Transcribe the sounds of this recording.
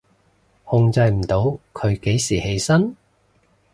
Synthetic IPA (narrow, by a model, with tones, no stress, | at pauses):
hʊ˧ŋt͡sɐ˧jm̩˨˩t̪o˨˥wkʰɵ˨˧ɥke˨˥jsiː˨˩he˨˧jsɐ˥n